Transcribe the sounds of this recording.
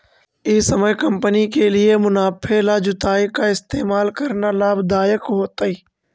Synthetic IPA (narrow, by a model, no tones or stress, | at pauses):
ɪsɐməjkɐ̃mpənikeliemʊnaːpʰelad͡ʒʊt̪aːikaɪst̪eːmaːlkɐɾnalaːbd̪aːjəkɦoːt̪ai